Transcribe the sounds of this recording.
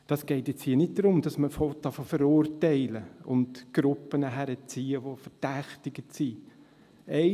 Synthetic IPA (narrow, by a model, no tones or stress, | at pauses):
d̥ɑsɡ̥eɪtjɛt͡shiːənɪt̚d̥̪ɾʊmd̥ɑsməfotɑfofəɾʊrtɛɪləʊndɡ̥ɾʊpːənəɦæɾət͡siːəʋofəd̥æχtɪɡ̥ətsi | ɛɪ